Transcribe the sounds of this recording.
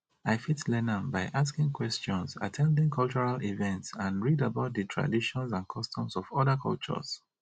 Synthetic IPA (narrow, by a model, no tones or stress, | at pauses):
aɪfitlɛnə̃nbaɪʔas̬kɪ̃ŋkʰwɛst͡ʃɔ̃nsa̰tʰɛ̃ndɪ̃ŋkʰɔlˠt͡ʃɔɹalivɛ̃ntsãnɹidabaʊt̚ðɨtʰɹa̰diʃɔ̃nsãnkʰɔstʰɔ̃mzɔvɔðəkʰɔ̰lt͡ʃɔ̰z̥